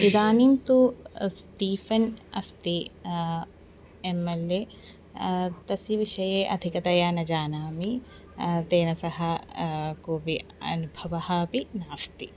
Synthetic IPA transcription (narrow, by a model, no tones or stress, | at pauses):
id̪aːnimt̪ust̪iːfɐnɐst̪i | emːelːeː | t̪ɐsiʋiʃɐjeːʔɐd̪ʱikɐt̪ɐjaːnɐd͡ʒaːnaːmi | t̪eːnɐsɐɦɐkoːbiɐ̰nubʱɐʋɐhɐpinaːst̪i